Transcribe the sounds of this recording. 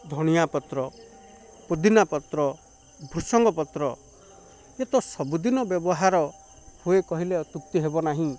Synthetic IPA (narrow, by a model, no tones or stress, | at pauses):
d̪ʱɔɽ̃ijapɔt̪ɾɔ | pod̪inapɔt̪ɾɔ | bʱɾusɔŋɡɔpɔt̪ɾɔ | et̪ɔsɔbud̪inɔbjɔbɔɦaɾɔ | huekɔɦileɔt̪ut̪ːiɦebɔnaɦĩ